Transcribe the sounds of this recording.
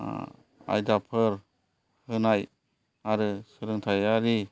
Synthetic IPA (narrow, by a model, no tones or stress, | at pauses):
a̰jdapʰɯɾ | hɯnaj | aɾɯsɯɾɯŋtʰajaɾi